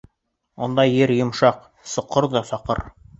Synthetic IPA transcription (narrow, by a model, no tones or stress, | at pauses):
ŏ̰nd̪ɑjɘɾjŏmʃɑq | sŏqːɤɾðɑsɑqɤ̰ɾ